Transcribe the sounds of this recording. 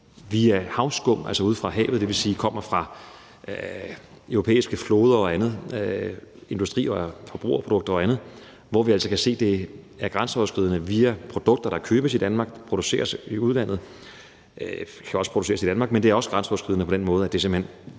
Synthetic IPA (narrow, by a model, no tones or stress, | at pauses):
ʋiæhɑ̈ʊsɡ̥ɔ̽m̰næl̰sɒuð̰ˠfʁɑ̈ɦɛ̰ːʊð̩ˠd̥e̝ʋe̝siːkʰɒ̽m̰ɐfʁɑ̈ | øʊʁopʰḛːisɡ̥əflo̝ːð̞ˠɐɒ̽ænð̞̩ˠ | e̝nd̥usd̥ʁḭːɒfɒb̥ʁṵːɐpʰʁo̝d̥ɔ̽ɡ̥̚d̥ɐɒ̽ænð̩ˠ | ʋɒʋiæl̰sɒkʰæse̝̰ːd̥e̝ | æɐɡ̥ʁɑnsɒʊɐsɡ̥ʁið̞̰ˠənəʋiæpʰʁo̝d̥ɔ̽ɡ̥̚d̥ɐɾ̥ɑ̈kʰøːb̥əsid̥ænmɑ̈ɡ̥pʰʁo̝d̥use̝̰ːɐsiuð̞ˠlæn̰ð̞̩ˠ | kʰæɒ̽spʰʁ̥o̥use̝̰ːɐsid̥ænmɑ̈ɡ̥̚mend̥eɐɒ̽sɡ̥ʁɑnsɒʊɐsɡ̥ʁið̰ˠənəpʰɒ̽d̥enmɔ̽ːðˠæd̥e̝se̝m̩hen